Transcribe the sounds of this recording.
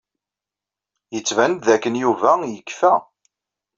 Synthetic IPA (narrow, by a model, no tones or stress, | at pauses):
jət͡sːvænt̪ðækːənjuvæjəkːfæ